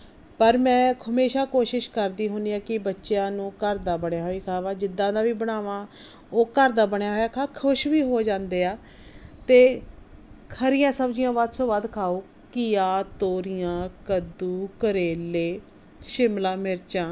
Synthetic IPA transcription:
pəɾmɛ̃ːɦəmeːʃaːkoːʃɪʃkəɾd̪iːɦõːnd̪iːaːkɪbətːʃjãːnũːkəɾd̪aːbəɳjaːɦoːiːkʰaːʋaːd͡ʒɪd̪ːãːd̪aːʋiːbəɽaːʋãː | oːkəɾd̪aːbəɳjaːɦoːjaːkʰaːkʰʊʃʋiːɦoːd͡ʒãːnd̪eːaː | t̪eː | kʰəɾɪjãːsəbd͡ʒɪjãːʋaːd̪soːbaːd̪kʰaːoː | kɪjaːt̪oːɾɪjãːkəd̪uːkəɾeːleː | ʃɪmlãːmɪɾt͡ʃãː

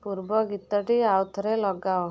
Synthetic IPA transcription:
puɾbɔɡit̪ɔʈiawt̪ʰɔɾelɔɡaw

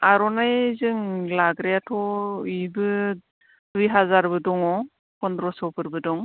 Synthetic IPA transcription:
aɾɔnajzɯŋlaɡɾejatʰɔibɯ | dujɦazaɾbɯdɔŋɔ | kɔndɾɔsɔwpʰɯɾbɯdɔŋ

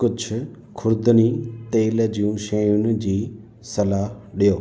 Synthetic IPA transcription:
kʊd͡ʒʰ | kʰʊɾd̪ənit̪eːld͡ʑiũʃeːjʊnɪ̆d͡ʑiː | sɐlaːɗijoː

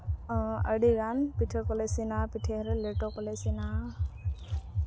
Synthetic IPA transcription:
əɖiɡanpiʈʰəkɔlesinapiʈʰeɾɛleʈɔkɔlesina

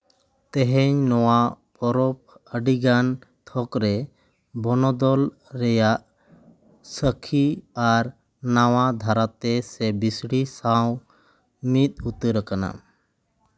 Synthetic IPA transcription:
t̪ɛɦɛɲnɔwapɔɾɔp̚əɖiɡant̪ʰɔkɾɛ | bɔnɔd̪ɔl | ɾɛjaʔ | səkʰiaɾ | nawad̪ʱaɾat̪ɛsɛbisɽisaw | mit̪̚ut̪əɾəkana̰

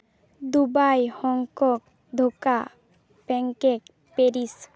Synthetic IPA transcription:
d̪ubajhɔŋkɔk | d̪ʱoka | bɛŋkek | peɾis

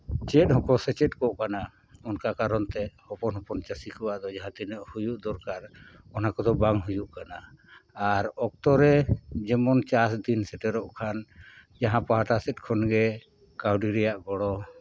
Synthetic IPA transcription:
t͡ʃɛt̪̚hɔkɔsɛt͡ʃɛt̪̚kɔʔkana | ɔnkakaɾɔnt̪ɛhɔpɔnɦɔpɔnt͡ʃasikuwaʔd̪ɔd͡ʒaɦãt̪inəʔhujuʔd̪ɔɾkaɾ | ɔnakɔd̪ɔbaŋɦujuʔkana | aɾɔk̚t̪ɔɾɛd͡ʒɛmɔnt͡ʃasd̪insɛʈɛɾɔʔkʰan | d͡ʒaɦãpaɦaʈasɛt̪̚ˀkʰɔnɡɛ | kawɖiɾɛjaʔɡɔɽɔ

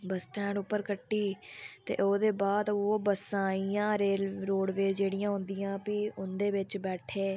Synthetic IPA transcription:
bəsʈɛ̃ːɳɖʊpːəɾkəʈːiːt̪ḛːʔoːd̪eːbaːd̪oːbəsãːiːãːɾeːlɾoːɽʋeːd͡ʒeːɽijãːɦʊ̃nd̪ɪjãːpiʊnd̪eːʋɪt͡ʃbɛːʈʰeː

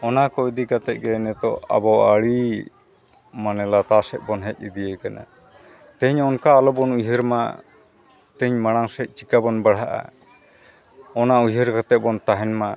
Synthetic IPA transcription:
ɔnakɔid̪ikat̪ɛc̪̚ˀɡɛnɛt̪ɔa̰bɔaɽi | manɛlat̪asɛʔ̪̚bɔnɦɛc̚id̪ijəjkana̰ | t̪ɛɲɔnkaːlɔbɔnuɦəɾma | t̪ɛɲmaɽ̃aŋsɛc̪̚ˀt͡ʃikabɔnbaɽɦaʔa̰ | ɔnauɦəɾkat̪ɛʔ̚ˀbɔnt̪aɦɛnma

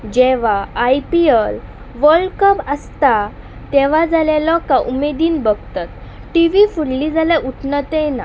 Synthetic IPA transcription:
d͡ʑɛʋaːjpiəl | ʋəlkəpəst̪a | t̪ɛʋ̤ad͡zaljalɔkaʔumed̪iːnbəɡʱt̪at̪̚ | ʈiʋifuɽlid͡zaljaʔuʈʰnət̪ɛna

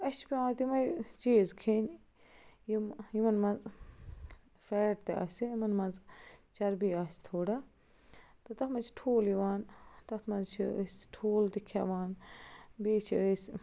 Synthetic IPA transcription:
ɐspʲiãːt̪imɐjt͡ʃeːzkʰen | jimjimɐnmɐnz | feːʈt̪eɐ̰siimɐnmɐnd͡zt͡ʃɐɾbiaːsʲt̪ʰoːɽa | t̪ɨt̪ɐt̪mɐt͡ʃʰi̥ʈʰoːliʋaːnt̪ɐt̪ʰmɐnzt͡ʃʰiəsʲʈʰoːlt̪ikʰa̰ʋaːnbiːt͡ʃʰiəsʲ

